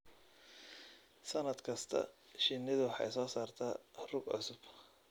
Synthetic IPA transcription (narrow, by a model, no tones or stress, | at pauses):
sɐnɐd̪kʰɐst̪ʰɐ̰ʃɪnːɪðʊħɑ̰jsɔːsaːrt̪ʰaːrʊɡʕʊ̰sʊb̥